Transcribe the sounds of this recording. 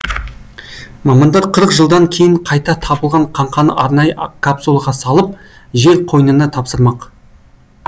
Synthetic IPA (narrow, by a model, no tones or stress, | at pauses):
mɑmɑnd̪ɑɾqʰəɾəqʒəlˠd̪ɑŋkʲʰe̞jɪɴqʰɑjt̪ɑt̪ʰɑbəlˠʁɑɴqʰɑɴqʰɑnə̰ʔɑɾnɑjəkʰapsulˠɑʁɑsɑlˠəp̚ | ʒe̞ɾqʰo̞jnənət̪ʰɑpsəɾmɑq